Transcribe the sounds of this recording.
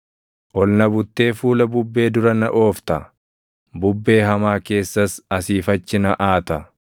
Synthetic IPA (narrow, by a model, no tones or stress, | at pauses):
ʔɔlnɐbʊt̪ːe̞ːfuːlɐbʊbːe̞ːd̪ʊɾɐnɐʔo̞ːft̪ɐ | bʊbːe̞ːɦɐmaːke̞ːsːɐsɐsiːfɐt͡ʃːɪnɐʔaːt̪ɐ